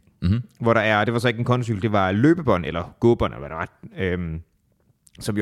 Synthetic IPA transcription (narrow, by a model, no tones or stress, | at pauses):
ʋɒɾɑ̈æɐd̥e̝ʋɑ̈sɒ̽e̝ɡ̥e̝nkʰɒ̽nʰosy̰̥ːl̩d̥e̝ʋɑ̈lø̰ːb̥əb̥ɒ̽n̰elɐɡ̥o̝ːb̥ɒ̽n̰elɐ̰ʋæɾ̥eɑ̥øm | sɒ̽mi